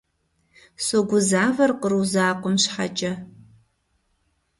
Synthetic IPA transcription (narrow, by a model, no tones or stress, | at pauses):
soːɡʷʊzaːvɐrqəruzaːqʷʊmɕħa̰t͡ʃʼɐ